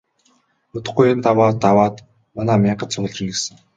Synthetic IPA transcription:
ʊt̪ə̥̆χɡuj̆nt̪awaːt̪awaːt̪ | manaːmʲiɴɢə̆t̪t͡sʰʊɣ̆ɮt͡ɕĭŋesɘ̆ŋ

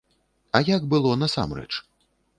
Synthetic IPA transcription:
ɐjaɡbɨlˠɔnɐsa̰mrɛ̰t͡ʂ

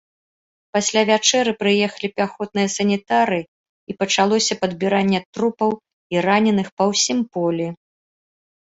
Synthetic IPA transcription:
pasʲlʲavʲat͡ʂɛɾɨpɾɨjɛxɐlʲipʲaxɔt̪̚nɨjɐsɐnʲit̪aɾɨ | ipɐt͡ʂalˠɔsʲɐpɐd̪bʲiɾanʲːɛt̪ɾupɐw | iranʲɛnɨxpɐwsʲimpɔlʲi

